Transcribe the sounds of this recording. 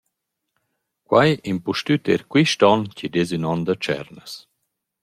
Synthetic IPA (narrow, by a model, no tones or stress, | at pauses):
kwajimpuʃtyt̪ḛɾkwiʃtɔncid̪ezynɔnd̪ət͡ʃɛ̰ɾnəs